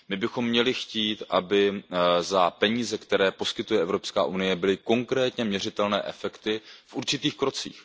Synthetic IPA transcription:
mɪbɪxo̞mːɲɛlɪxciːt̪ʔabɪzapɛɲiːzɛkt̪ɛɾɛːpo̞skɪt̪ujɛʔɛvɾo̞pska̰ːʔunɪjɛbɪlɪko̞ŋkɾɛːt̪ɲɛmɲɛr̝ɪt̪ɛlnɛ̰ːʔɛfɛkt̪ɪfʔuɾt͡ʃɪt̪iːxkɾo̞t͡sḭːx

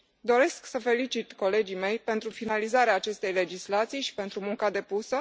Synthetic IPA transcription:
d̪o̞ɾe̞sksəfe̞lit͡ʃit̪ko̞le̞d͡ʒime̞jpe̞nt̪ɾufinalizaɾeaːt͡ʃe̞st̪e̞jle̞d͡ʒislat̪sijʃi̥pe̞nt̪ɾumuŋkad̪e̞pusə

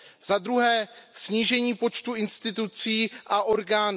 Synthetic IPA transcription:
zad̪ɾuɦɛːsɲiːʒɛɲiːpo̞t͡ʃt̪uɪnst̪ɪt̪ut͡siːʔaʔo̞ɾɡaːn

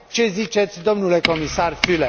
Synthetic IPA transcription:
t͡ʃe̞zit͡ʃe̞t̪sʲd̪o̞mnule̞ko̞misarfyle

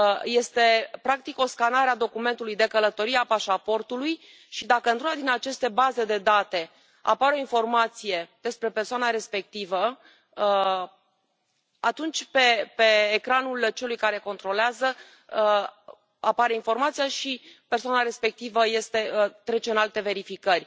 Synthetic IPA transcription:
je̞st̪e̞pɾak̚t̪iko̞skanaɾead̪o̞kume̞nt̪ulujd̪e̞kələt̪o̞ɾiapaʃapo̞rt̪uluj | ʃid̪akəɨnt̪ɾunad̪inat͡ʃe̞st̪e̞baze̞d̪e̞d̪at̪e̞ | a̰paɾeo̞info̞rmat̪sije̞d̪̥e̞spɾe̞persoanaɾe̞spe̞k̚t̪ivə | at̪unt͡ʃʲpepe̞ːkɾanult͡ʃe̞lujkaɾe̞ko̞nt̪ɾo̞leazə | apaɾe̞info̞rmat̪sijaʃipersoanaɾe̞spek̚t̪ivəje̞st̪e̞t̪ɾe̞t͡ʃe̞ɨnalt̪e̞ve̞ɾifikərʲ

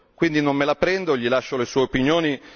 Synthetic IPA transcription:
kwind̪inomːelapɾɛnd̪oʎːilaʃːolesuːeopinjoːni

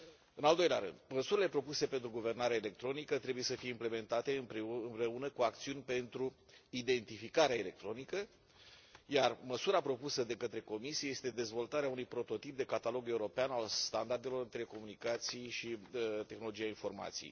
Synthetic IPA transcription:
ɨnald̪o̞jlea̰ɾɨ̰nd̪̥məsuɾile̞pɾo̞puse̞pe̞nt̪ɾuɡuve̞rnaɾeaele̞k̚t̪ɾo̞nikət̪ɾe̞buje̞səfijeimple̞me̞nt̪at̪e̞ɨpɨmpɾe̞unəkuakt̪siunʲpe̞nt̪ɾu | id̪e̞nt̪ifikaɾeaele̞k̚t̪ɾo̞nikə | jarməsuɾapɾo̞pusəd̪e̞kət̪ɾe̞ko̞misieje̞st̪e̞d̪e̞zvo̞lt̪aɾeaunujpɾo̞t̪o̞t̪ip̚d̪e̞kat̪alo̞ɡe̞uɾo̞peanalst̪and̪ard̪e̞lo̞ɾɨnt̪ɾe̞ko̞munikat̪sijʃiət̪exnolo̞d͡ʒijainfo̞rma̰t̪sḭj

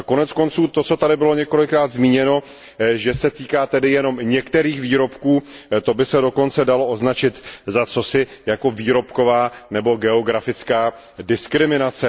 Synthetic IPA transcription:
ko̞nɛt͡sko̞nt͡suːt̪o̞t͡so̞t̪adɪbɪlo̞ɲɛko̞lɪkɾaːd̪zmiːɲɛno̞ | ʒɛsɛt̪iːkaːt̪ɛdɪjɛno̞mɲɛkt̪ɛɾiːxviːɾo̞pkuːt̪o̞bɪsɛdo̞ko̞nt͡sɛdalo̞ʔoznat͡ʃɪt̪zat͡so̞sɪjako̞viːɾo̞pko̞vaːnɛbo̞ɡɛo̞ɡɾafɪt͡skaː | dɪskɾɪmɪnat͡sɛ

